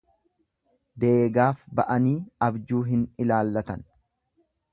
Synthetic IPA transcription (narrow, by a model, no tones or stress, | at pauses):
d̪eːɡaːfbɐʔɐniːɐbd͡ʒuːɦɪnɪlaːlːɐt̪ɐn